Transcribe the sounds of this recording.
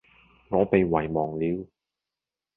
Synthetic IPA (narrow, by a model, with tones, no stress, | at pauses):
ŋɔː˨˧pe˨˧jwɐ˨˩jmɔː˨˩ŋliː˨˥w